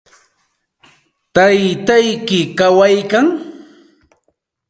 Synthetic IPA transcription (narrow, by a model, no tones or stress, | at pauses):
t̪ajt̪ajkɪkawajkaŋ